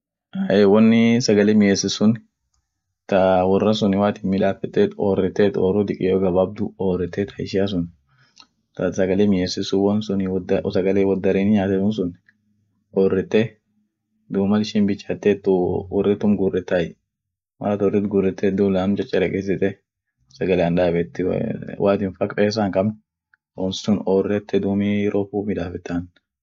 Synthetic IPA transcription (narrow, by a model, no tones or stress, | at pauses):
aʔewɔnːɪsɐɡɐlɛmɪjeːsɪsʊn | t̪ɐwɔrːɐs̬ʊnɪwaːt̪ɪnmɪᶑaːfɛt̪ːeːt̪ɔːrːɛt̪ːeːt̪ɔːrʊd̪ɪkʼɪjoːɡɐbɐb̚d̪ʊoːrɛt̪ːet̪ʰɐɪ̰ʃɪas̬ʊn | t̪ɐsɐɡɐlemɪjesɪsʊwɔnsʊnɪd̪sɐɡɐlewɔd̪ːɐɾiːnɪɲaːt̪ɛt̪ʊns̬ʊnɪ | oːrːɛt̪ːɛ | d̪uːmɐlɪʃɪnbɪt͡ʃːat̪ːɛt̪ːʊɔ̰rːɛt̪ːʊmɡʊrːɛt̪ːajɛ | mɐ̰ɾɐt̪ɔrɛt̪ɡʊrːɛt̪ːɛd̪ulaːmt͡ʃʼɐt͡ʃʼːɛɾɛkʼeːs̬ɪt̪ʼɛ | sɐɡɐlɛɐnᶑaːbɛt̪ːɪ̰wʔaːt̪ɪnfɐkpʼeːs̬aŋkɐm | ɔ̰nssʊnoːrːɛt̪ːɛd̪uːmiɾʔoːfuːmɪᶑ̪aːfɪt̪ːaːn